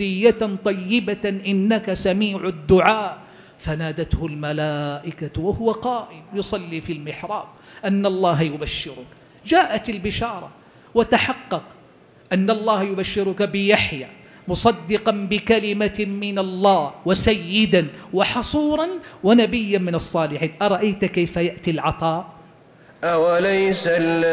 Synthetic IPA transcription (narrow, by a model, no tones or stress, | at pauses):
ɪjːat̪ˤɑjːɪbaʔɪnːakasamiːʕʊd̪ːʊʕaːʔ | fanaːd̪at̪hʊlmalaːʔɪkawahʊwaqɑːʔɪmjʊsˤɑlːiːfiːlmɪħɾˤɑ̰ːm | ʔanːalˤːɑːɦjʊbaʃːɪɾʊk | d͡ʒaːʔat̪albɪʃɑːɾˤɑ̰ | wat̪aħɑqːɑq | ʔanːɑlˤːɑːhjʊbaʃːɪɾʊkabɪjaħjaː | mʊsˤɑd̪ːɪqɑnbɪkalɪmamɪnalˤːɑːhwasajːɪd̪anwɑħɑsˤuːɾˤɑnwanabɪjːanmɪnɑsˤːɑːlɪħiːnʔɑɾˤɑʔajt̪kajfajaʔt̪ilʕɑt̪ˤɑːʔ | ʔawalajsa